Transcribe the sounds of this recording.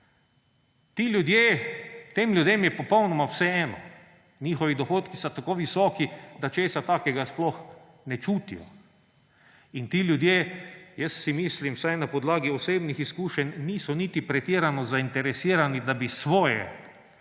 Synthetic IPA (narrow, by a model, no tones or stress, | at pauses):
t̪ilʲjud̪jeːt̪eːmlʲjud̪emjɛpɔpɔwnɔmawsɛɛːnɔ | nʲiːxɔʋid̪ɔxoːt̪kisat̪akoːʋisɔːkid̪at͡ʃeːsat̪aːkɛɡasplɔx | nɛt͡ʃuːt̪ḭjɔ̰ | int̪iːljud̪jeːjəssimiːslimwsajnapɔd̪laːɡiɔseːbnixiskuːʃɛnʲniːsɔniːt̪ipɾɛt̪iːɾanɔzaint̪ɛɾɛsiːɾanid̪abisʋɔːjɛ̰